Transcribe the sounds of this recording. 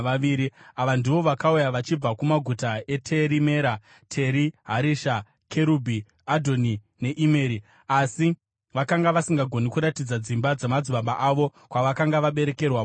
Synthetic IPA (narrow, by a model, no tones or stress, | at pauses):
aʋiːɾiaʋandiʋo̞ʋakaujaʋat͡ʃib͡vakumaɡʱutae̞tʰe̞ɾime̞ɾa | tʰe̞ɾiɦaɾiʃa | kʰe̞ɾubʱi | adʱo̞ni | ne̞ʔime̞ːɾi | asi | ʋakaŋɡaʋasiŋɡaɡʱo̞nikuɾatid͡zad͡zimbad͡zemad͡ziɓaɓaʔaʋo̞ | kwaʋakaŋɡaʋaɓe̞ɾe̞ke̞rwa